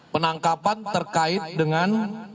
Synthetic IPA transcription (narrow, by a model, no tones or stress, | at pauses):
pənaŋkapant̪ərkaɪt̪̚dəŋan